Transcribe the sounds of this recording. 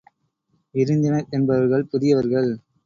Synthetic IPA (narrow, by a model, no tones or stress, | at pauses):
ɪɾɯnd̪ɪnɐɾʔɛnbɐɐɾɣɐɭpʊðɪjɐʋɐɾɣɐɭ